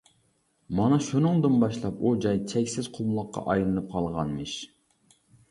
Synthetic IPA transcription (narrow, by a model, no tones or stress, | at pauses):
mɑnɑʃunɨŋd̪ɨnbɑʃlˠɑpud͡ʒɑjt͡ʃʰɛkʲsɪz̥qʰʊlˠmlˠəqːɑ̰ʔɑjlˠɨnɨp̚qʰɑlˠʁɑnmɨʃ